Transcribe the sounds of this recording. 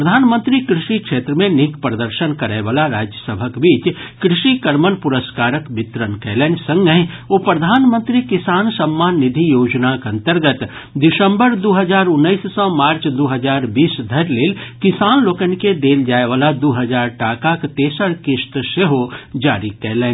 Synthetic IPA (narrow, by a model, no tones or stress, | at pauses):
pɾəd̪ʱaːnmə̃nt̪ɾikɾɪʃikʃeːt̪ɾəmẽnɪkpɾəd̪əɾʃənkɐɾɛʋaːlaɾaːd͡ʒjəsəbʱəkbiːt͡ʃkɾɪʃikəɾmənpʊɾəskaːɾəkbɪt̪ɾənkɛːlensə̃ŋɡəɦoːpɾɐd̪ʱaːnmə̃nt̪ɾikɪsaːnsəmːaːnːɪd̪ʱijoːd͡ʒnakɐ̃nt̪əɾɡət̪ | d̪ɪsə̃mbəɾd̪oːɦəd͡ʒaːɾʊnːəissɔ̃maːɾt͡ʃd̪oɦəd͡ʒaːɾbiːsd̪ʱɐɾleːlkɪsaːnloːkənked̪eːld͡ʒaːeʋaːlad̪oːɦəd͡ʒaːɾʈaːkakt̪eːsəɽkɪʃt̪ʃeɦod͡ʒaːɾikɛɦleːn